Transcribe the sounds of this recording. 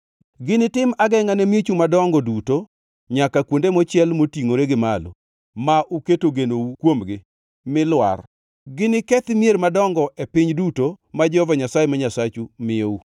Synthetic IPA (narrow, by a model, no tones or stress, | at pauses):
ɡɪnɪtɪmaɡɛŋanemjet͡ʃumadɔŋɡɔduto | ɲakakwondemɔt͡ʃɪɛlmotiŋoɾeɡɪmalo̰ | maʔuketoɡenoukwomɡɪ | mɪlwa̰r | ɡɪnɪkɛt̪mjeɾmadɔŋɡɔʔepɪɲdutomad͡ʒɔhɔvaɲasajemaɲasat͡ʃumɪou